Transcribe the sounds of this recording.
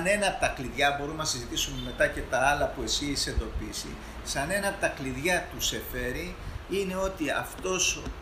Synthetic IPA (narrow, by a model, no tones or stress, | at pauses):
ne̞nɐp̚t̪ɐkliðʝɐbo̞ɾumnɐsizit̪isumeme̞t̪ɐce̞t̪ɐɐlɐpue̞sise̞nd̪o̞pisḭ | sɐne̞nɐp̚t̪ɐkliðʝɐt̪use̞fe̞ɾiine̞o̞t̪iɐ̰ft̪o̞s